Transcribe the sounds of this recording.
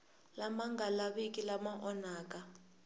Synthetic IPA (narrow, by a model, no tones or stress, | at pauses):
lamaŋɡʱalaɓekʼilamaʔɔnaːk̬ʼa